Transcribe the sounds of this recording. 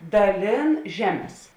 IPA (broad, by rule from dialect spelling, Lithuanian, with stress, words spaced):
dɐˈlʲeːn ˈʒʲæːˌmʲɛs